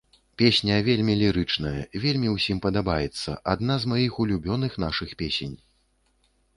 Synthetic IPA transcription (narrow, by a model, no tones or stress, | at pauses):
pʲesʲnʲɐvʲelʲmʲilʲiɾɨt͡ʂn̪ɐjɐ̰vʲelʲmʲiwsʲimpɐd̪abajɛt̪sːɐ̰ʔad̪nazmajixulʲubʲɔnɨxnaʂɨxpʲesʲenʲ